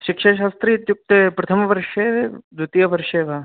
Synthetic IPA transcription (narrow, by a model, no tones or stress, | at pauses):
ʃɪkʃɐʃaːst̪ɾiːt̪juk̚t̪ɐpɾɐt̪ʰɐmʋɐɾʃed̪ʱut̪ijɐʋɐɾʃeʋɐ